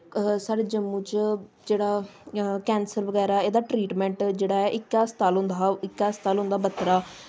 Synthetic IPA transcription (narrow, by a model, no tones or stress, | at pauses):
saːɾeːd͡ʒəmːũːt͡ʃ | d͡ʒeːɽaːkɛ̃ːnsəɾʋəɡɛːɾaːeːd̪aːʈɾiːʈmɛ̃ːɳʈd͡ʒeːɽaːɛːʔɪkːaːst̪aːlɦʊnd̪aːɪkːaːst̪aːlɦʊ̃nd̪aːbət̪ːɾaː